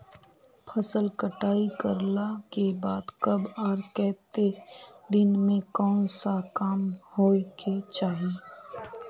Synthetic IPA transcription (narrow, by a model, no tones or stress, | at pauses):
pʰɐsəlkəʈaːikəɾlakebaːd̪kɐbaːɾkɛːt̪ed̪ɪnmẽkɔːnsakaːmhoːket͡ʃaːɦieː